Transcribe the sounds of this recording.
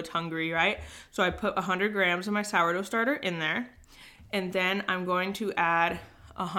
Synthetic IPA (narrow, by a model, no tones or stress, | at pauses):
thʌ̃ŋɡɹiɹaɪt̚soʊaɪpʰʊɾʔəɦʌ̃ndɹɨd̚ɡɹæ̃mzʌ̃nmaɪsaʊə˞ɾoʊstɑɹɾə˞ʔɨ̃nðə˞ | ɨ̃nðɨ̃nã̰ɪ̃mɡoʊɪ̃ŋtʰɨʔæɾʔə̰ɦʌ̃